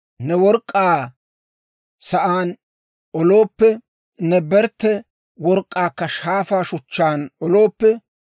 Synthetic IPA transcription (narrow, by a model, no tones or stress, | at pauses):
nɛwɔɾkʼːaː | sɐʔaːn | ɔlo̞ːpːɛ | nɛbɛɾt̪ːɛ | wɔɾkʼːaːkːɐʃaːfaːʃʊt͡ʃːaːnɔlo̞ːpːɛ